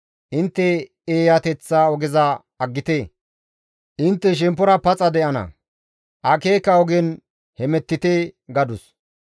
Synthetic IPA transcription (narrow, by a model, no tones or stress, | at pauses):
ʔɪnt̪ːɛ | eːjat̪ɛt͡sːaɔɡɛzɐː | ɡːɪt̪eː | ʔɪnt̪ːɛʃ̬ɛmpːɔɾɐpɐt͡sʼɐd̪ɛʔɐnɐ̰ | ʔɐkeːkːɐɔɡɛn | hɛmɛt̪ːɪt̪eːɡɐd̪ʊs